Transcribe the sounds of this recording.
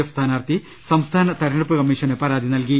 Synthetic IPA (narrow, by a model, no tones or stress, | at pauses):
ɐfst̪ʰaːnaːrt̪i | sɐmst̪ʰaːnɐt̪ɐɾnɐɽupːɨkɐmːiːʂɐnepɐɾaːd̪ʱinɐlki